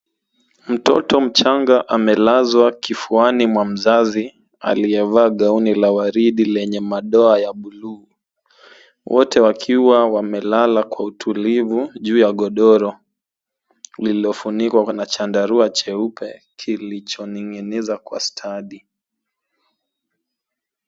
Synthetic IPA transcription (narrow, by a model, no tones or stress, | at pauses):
m̩tɔ̰tɔm̩t͡ʃaŋɡaʔamɛlazwakifuanimwam̩zazi | a̰liɛvaːɠaunilawaɾiɗilɛɲɛmaɗɔajaɓulu | wʔɔ̰tʰɛwakʰiwawamɛlalakwautʰulivuʄuːjaɠɔɗɔɾɔ | liliɔfunikwanat͡ʃandaɾuat͡ʃɛupʰɛkʰilit͡ʃɔniŋinizakwa̰stʰaɗi